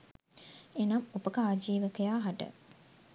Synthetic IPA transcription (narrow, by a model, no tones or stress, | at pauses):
enɐmupəkəaːd͡ʒiːʋəkəjaːɦaʈə̰